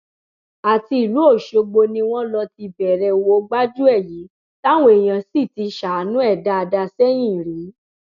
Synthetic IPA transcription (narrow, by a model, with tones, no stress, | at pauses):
a˨ti˧i˨lu˨˦o˦˨ʃo˧ɡ͡bo˧nĩ˧w̃ɔ̃˦lɔ˧ti˧bɛ˨ɾɛ˧wo˧˦ɡ͡ba˦d͡ʒu˦ɛ˦˨ji˨˦ | ta˦w̃õ˦e˨j̃ã˧si˦˨ti˧ʃa˨˦nũ˦ɛ˦˨da˦a˧da˧sɛ˦j̃ĩ˦˨ɾi˨˦